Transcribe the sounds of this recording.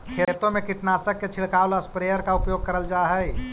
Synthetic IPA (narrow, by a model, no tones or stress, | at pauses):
kʰeːt̪õmẽkɪʈnaːsəkːet͡ʃʰɪɭkaːwlaspɾeːjəɾkaʊpjoːɡ̚kɐɾəld͡ʒaːɦɛ